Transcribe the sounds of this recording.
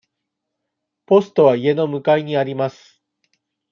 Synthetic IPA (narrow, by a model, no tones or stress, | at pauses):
po̞sɨ̥t̪o̞β̞aie̞no̞mɯ̟kaiɲ̟iaɾʲimasɨ̥